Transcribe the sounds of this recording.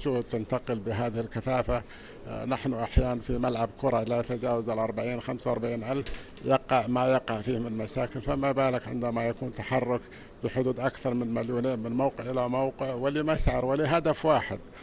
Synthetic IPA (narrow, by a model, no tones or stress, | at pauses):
ʃʊhd̪̚t̪ant̪aqɪlbɪɦaːðɪhɪlkaθaːfa | naħnʊʔaħjaːnanfimalʕabkʰʊɾˤɑʔlajat̪ad͡ʒaːwazalʔɑɾˤbaʕiːnxamsawɑɾˤbaʕiːnʔalf | jɑqɑʕmajɑqɑʕfiːmɪnlmaʃaːkɪlfamabaːlakʕɪ̰nd̪amajakuːnt̪aħɑrˤːʊk | b̥ɪħʊd̪uːd̪ʔakθɑɾˤmɪnmaljuneːnmɪnmawqɪʕʔɪlamawqɪʕwɪlimaʃʕɑɾˤwɪliɦad̪afwaːħɪ̰d̪